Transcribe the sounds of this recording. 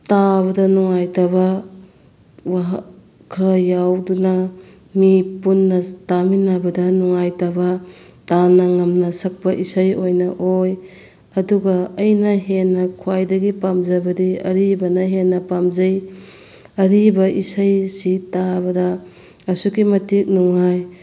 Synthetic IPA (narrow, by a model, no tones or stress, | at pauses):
taβɐdɐnuŋajtabɐ | waɦ | kʰɾɐjawdunɐ | mipunːɐtaminːabɐdɐnuŋajtabɐtanɐŋɐmnɐsɐk̚pɐʔisɐjojnɐʔoj | ɐduɡɐɐjnɐɦenːɐkʰuajdɐɡipamzɐbɐdiɐ̰ɾibɐnɐɦenːɐpamzɐj | ɐɾibɐʔisajsitabɐdɐ | ɐsukimɐtik̚nuŋaj